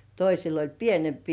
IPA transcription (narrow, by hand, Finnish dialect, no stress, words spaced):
toisil olʲ pienempiː